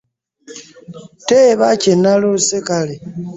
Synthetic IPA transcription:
teβacenalosekali

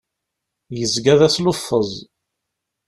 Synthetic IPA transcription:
jəzɡæðæslʊfːəzˤ

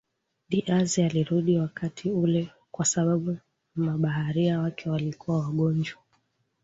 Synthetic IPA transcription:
ɗiʔazialiɾuɗiwakatʰiulɛ | kwasaɓaɓu | maɓahaɾiawakʰɛwalikuwawaɠɔnd͡ʒwa

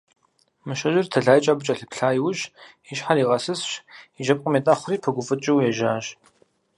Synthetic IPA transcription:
mɨʃɐʒɪrtʰɐɮaːjt͡ʃʼaːbɨt͡ʃʼɐɬɨpɬaːjwʊɕ | ɪʃħariːʁɐsɨsɕiʒɐp̚ʼqʼəmetʼɐχʷʊriːpʰɐɡʷʊfʼɨt͡ʃʼɪwjɛʒaːʒ

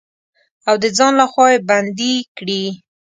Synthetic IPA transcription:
awd̪əd͡zɑnlaxwɑjeband̪ikɽi

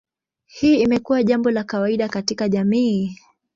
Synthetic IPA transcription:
hiːimɛkuwaʄambɔlakawaiɗakatikaʄamiː

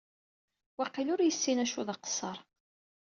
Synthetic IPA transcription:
wæqːilʊɾjəsːinæʃuðɑqə̥sˤːəɾˤ

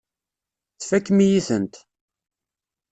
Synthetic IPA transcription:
θfækːmijiθənt̪

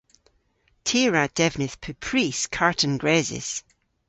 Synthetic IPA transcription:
tʰeɹad̥ɛvnɪθpʰʉpʰɹ̥iskʰaɹʔə̃nɡɹɛzɪ̰s

